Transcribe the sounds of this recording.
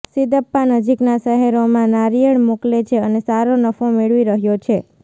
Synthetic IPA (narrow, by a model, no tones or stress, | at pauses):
sid̪əpːanəd͡ʒiknasəɦeɾomãnaɾijəɳmoklet͡ʃʰeənesaɾonəfomeɭʋiɾəɦjot͡ʃʰe